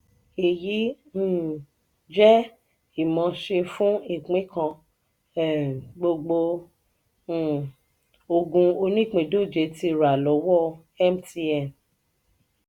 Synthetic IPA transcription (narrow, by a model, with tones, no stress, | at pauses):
e˨ji˨˦ | n̩˦˨ | d͡ʒɛ˦ | i˦˨mɔ̃˧˦ʃe˧fũ˦i˦˨k͡pĩ˨˦kã˧˨ | ɡ͡bo˧ɡ͡bo˧˨ | o˧ɡũ˧o˧nĩ˦˨k͡pĩ˨do˦˨d͡ʒe˧˦ti˧˦˨ɾa˨lɔ˨˦wɔ˦ | ɛ˦mti˧ɛ˦˨n